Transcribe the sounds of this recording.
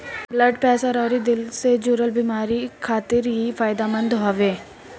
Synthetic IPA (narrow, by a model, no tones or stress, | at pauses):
bləɖpɛːsaɾɔːɾid̪ɪlsed͡ʒuɾəlbiːmaːɾikʰaːt̪ɪɾɦifaːjɪd̪amə̃nd̪ɦɔːʋeː